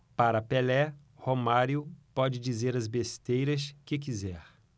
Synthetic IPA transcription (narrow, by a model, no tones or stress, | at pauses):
paɾɐpelɛ | homaɾjʊpɔd͡ʒɪd͡ʒizeɾɐzbest̪ejɾɐskɪk̬izɛɾ